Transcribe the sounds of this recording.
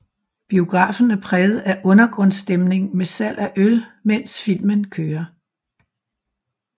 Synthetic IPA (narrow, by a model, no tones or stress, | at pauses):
b̥io̝ɡ̥ʁɑ̰̈ːfn̩æpʰʁɛːð̩ˠæʔɔ̽nɐɡ̥ʁɔ̽nsd̥emne̝ŋmesæl̰ʔæʔølmen̰sfil̰mənkʰøːɐ